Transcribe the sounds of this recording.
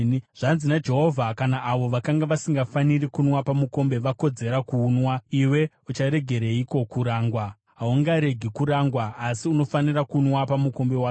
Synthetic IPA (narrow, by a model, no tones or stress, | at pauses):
ʐ̥anzinad͡ʒe̞ɦo̞vʱakanaʔːʋo̞ʋakaŋɡaʋasiŋɡafanirikunwapamuko̞mbe̞ʋako̞d͡ze̞ɾakuːnwaiwe̞ | ut͡ʃaɾe̞ɡʱe̞ɾeiko̞kuɾaːŋɡwa | ɦauŋɡaɾe̞ɡʱikuɾaŋɡwaːsiuno̞fanirakunwapamuko̞mbe̞wa